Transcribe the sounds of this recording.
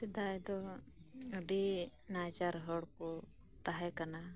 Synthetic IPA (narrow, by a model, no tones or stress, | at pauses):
sid̪ajd̪ɔ | əɖi | nad͡ʒaɾɦɔɽkɔ | t̪aɦɛkana